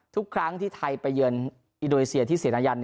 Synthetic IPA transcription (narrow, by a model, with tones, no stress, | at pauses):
t̪ʰu˦˥kʰɾa˦˥ŋt̪ʰiː˥˩t̪ʰa˧jpa˧jːɯ˧ən | ʔi˧ndoː˧neː˧˩si˧ɐt̪ʰiː˥˩siː˨˩˦nʔa˧ja˧n